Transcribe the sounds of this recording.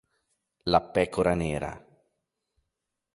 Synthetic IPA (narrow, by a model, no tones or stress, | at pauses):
lapɛːkoɾaneːɾa̰